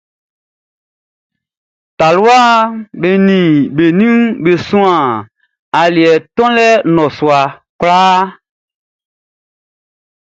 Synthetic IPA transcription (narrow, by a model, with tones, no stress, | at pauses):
ta˨lu˦a˦be˨nĩ˨be˨nĩ˦be˨sũ˦ã˨ | a˨li˨ɛ˨tɔ̃˦lɛ˦nɔ̃˨su˨a˨ | klaː˦